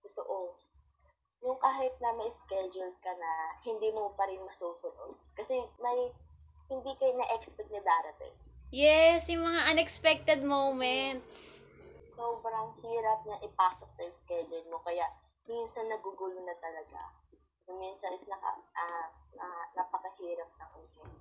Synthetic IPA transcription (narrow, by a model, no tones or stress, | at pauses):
t̪ʊt̪oʔo | nʊŋkaːɦɪt̪̚nɐmɐɪskɛd͡ʒʊld̪̚kɐnɐhɪnd̪imopɐɾɪnmɐsoːsʊno̰d̪̚kɐsɛmɐj | hɪnd̪ikɐjnɐʔɛkspɛt̪̚nɐd̪aːɾɐt̪ɪ̰njɛsjʊŋmɐŋaʔɐnɛkspɛk̚t̪ɛd̪̚mowmɛnt̪s | soːbɾɐŋhiːɾɐp̚nɐʔɪpaːsok̚sɐɪskɛd͡ʒʊld̪̚mo̞kɐjaʔ | minsɐnːɐɡuɡulʊnɐt̪ɐlɐɡa̰ | nʊminsɐnɪsnɐkɐ̰ɐnɐnɐpɐkɐhiːɾɐp̚nɐŋʊjɪ